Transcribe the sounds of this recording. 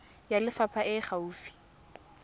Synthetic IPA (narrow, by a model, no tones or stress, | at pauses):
jalɪfapʰaʔɪχauːfi̥